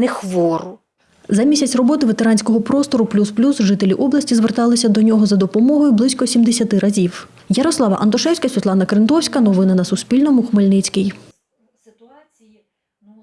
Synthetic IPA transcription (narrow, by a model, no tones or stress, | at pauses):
nɛxʋɔɾʊ | zɐmʲisʲɐt͡sʲrɔbɔt̪ɪʋet̪eɾɑnʲsʲkɔɦɔpɾɔst̪ɔɾʊplʲusplʲusʒɪt̪elʲiʔɔblˠɐsʲtʲizʋert̪ɑlˠɪsʲɐd̪ɔnʲɔɦɔzɐd̪ɔpɔmɔɦɔjʊblˠɪsʲkɔsʲimd̪esʲɐt̪ɪɾɐzʲiw | jɐɾɔslˠɑʋɐ̰ʔɐnd̪ɔʃɛwsʲkɐsʲʋʲit̪lˠɑnɐkɾɪnd̪ɔwsʲkɐnɔʋɪnɐnɐsʊspʲilʲnɔmʊxmelʲnɪt͡sʲkɪj